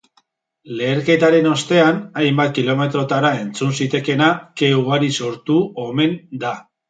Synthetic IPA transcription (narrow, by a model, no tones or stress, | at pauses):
le̞ːɾke̞t̪aɾe̞no̞st̪e̞anajmbat̪̚kilo̞me̞t̪ɾo̞t̪aɾae̞nt͡sunsit̪e̞ke̞nake̞uɣaɾiso̞ɾt̪uo̞me̞nd̪a